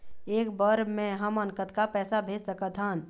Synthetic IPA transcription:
eːkbəɾmẽɦəmənkət̪kapɛːsabʱeːd͡ʒsəkət̪ɦãːn

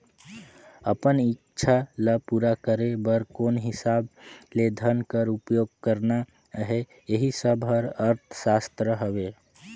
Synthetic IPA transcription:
əpənitːt͡ʃʰaləpuɾakəɾebəɾkonɦɪsabled̪ʱənkəɾupjoɡkəɾna | ɦɛ | jeɦisəbʱɦəɾəɾt̪ʰsast̪ɾəɦəbe

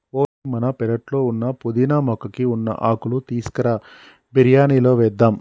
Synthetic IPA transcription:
poːimɐnɐpɛlɐʈlo̞ːunːɐpud̪inɐmɔkɐkiunːɐ̰ʔaːkulut̪iːskɐɾɐ | biɾjaːniːlo̞ːʋɛːd̪ːaːm

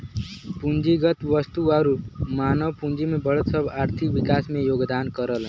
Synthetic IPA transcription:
pund͡ʒiɡʌt̪wʌst̪uaɾumanʌwpund͡ʒimebʌɭʌt̪sʌbʱaɾt̪ʰikbikasmejoɡd̪ankʌɾʌl

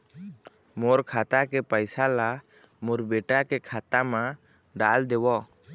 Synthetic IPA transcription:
mɔɾkʰat̪akɛpajsala | mɔɾbɛʈakɛkʰat̪ama | ɖald̪ɛwɔ

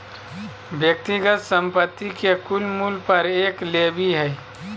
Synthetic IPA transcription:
ʋjək̚t̪iɡət̪sə̃mpət̪ːikekʊlmuːlpɐɾeːkleːbiɦɛː

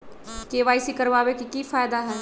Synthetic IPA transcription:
keːʋaːɪsikɐɾʋaːwekikifaːjd̪aɦɛː

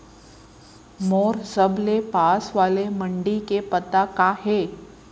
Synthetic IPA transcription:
mɔːɾzəblepaːsʋaːlemə̃ɳɖikepət̪akaːɦeː

